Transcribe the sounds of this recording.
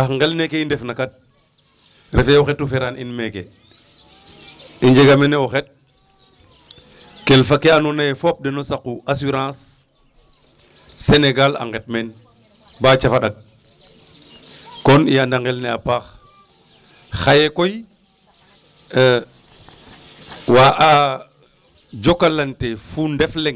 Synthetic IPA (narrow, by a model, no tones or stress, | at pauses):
axŋɡelnekeindefnakat̚ | ɾʔḛfeɔxɛtːufeɾanʔḭnmekḛ | iɲd͡ʒeɡameneoxet̚ | kelfakeanunajefop̚denosakuʔasuɾãːs | eneɡala̰ŋɡet̚men | bat͡ʃafaɗak̚ | kɔniandaŋɡelnɛapaːx | xajekoj | waʔa | d͡ʒokalantefundɛflɛŋ